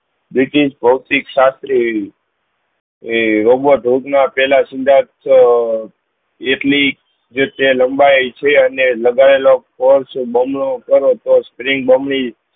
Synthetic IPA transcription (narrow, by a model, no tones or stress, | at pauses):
bɾiʈiʃbʱəwt̪ikʃast̪ɾi | ɾoboʈɾuk̪napɛlasind̪ʱat̪ʰ | eʈlik | d͡ʒet̪eləmbaet͡ʃʰeəneləɡaɭelokpoɾsũbəmlõkəɾõt̪ospɾiŋɡ̚bəmɭi